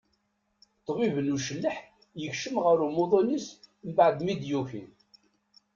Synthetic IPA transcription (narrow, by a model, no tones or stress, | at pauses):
t̪ːvivənuʃəlːəħ | jəçʃəmʁəɾumoðˤonis | mbaʕd̪mid̪juçḭn